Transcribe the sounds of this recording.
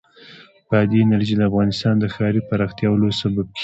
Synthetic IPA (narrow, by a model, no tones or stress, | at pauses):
pəd̪inaɾʒid̪əafɣɑnɪst̪ɑnd̪əxɑɾipaɾɑxt̪jɑwlosabab̚kʰe